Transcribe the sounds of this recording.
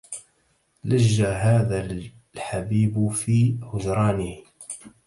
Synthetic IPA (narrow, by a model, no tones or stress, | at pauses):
lad͡ʒːaɦaːðal | ħabiːbfiːhʊd͡ʒɾˤɑːnɪh